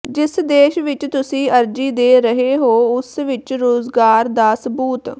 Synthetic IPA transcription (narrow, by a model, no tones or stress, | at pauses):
d͡ʒɪsd̪eːʃʋɪt͡ʃt̪ʊsĩːəɾd͡ʒiːd̪eːɾəɦeːɦoːʊsʋɪt͡ʃɾoːzɡaːɾd̪aːsəbuːt̪